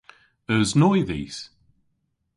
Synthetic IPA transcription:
əznɔjðḭːs

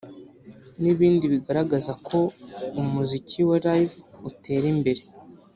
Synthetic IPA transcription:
niβiːndiβiɡaɾaɡazakʰo̞umuzicʰiweɾajvutʰe̞ːɾimbe̞ɾe

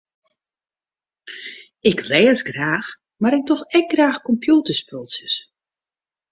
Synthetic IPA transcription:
ɪklɛːsɡraːx | maɾɪk̚tɔxɛk̚ɡraːxkɔmpjuːtəsposəs

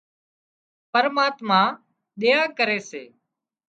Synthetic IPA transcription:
pəɾmaːt̪mãː | ɗeːaːkəɾeːsḛː

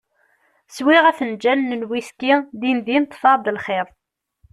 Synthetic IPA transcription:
swiʁæθənd͡ʒænːənwiskid̪inðint̪ˤːfɑɾˤd̪əlχeðˤ

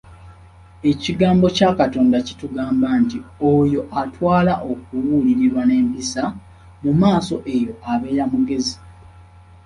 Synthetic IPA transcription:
e̞ciɡaːmbo̞cakato̞ːndaci̥tuɡaːmbaːntiojo̞ʔatwaːlaʔo̞k̚uwuːliɾiɾwane̞ːmpisa | mumaːso̞ʔe̞jo̞ʔaβe̞ːɾamuɡe̞zi

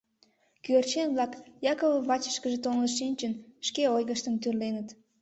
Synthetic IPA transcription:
kyert͡ɕenβlɑkjɑkoβəβɑt͡ɕə̥ʃkəʒet̪onləʃinʲt͡ɕənʃkeojɣəʃt̪əmt̪yrlenət̪

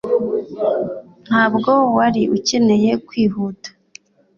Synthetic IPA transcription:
n̥haːbɡo̞waɾiʔuce̞ne̞je̞kwiːɦuːtḁ

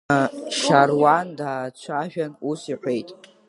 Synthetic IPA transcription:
ʃarwandaːt͡ɕʷʰaʒᶣanusiħʷejtʼ

